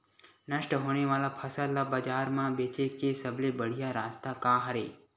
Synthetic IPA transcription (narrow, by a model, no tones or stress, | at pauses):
nəʃʈəɦoːñeʋaːlapʰəsəlːabəd͡ʒaːɾmãbeːt͡ʃekesəblebəɽ̤ijaɾaːst̪akãɦəɾeː